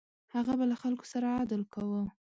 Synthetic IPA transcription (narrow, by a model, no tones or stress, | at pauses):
haɣabalaxalko̥saɾaɑd̪əlkawə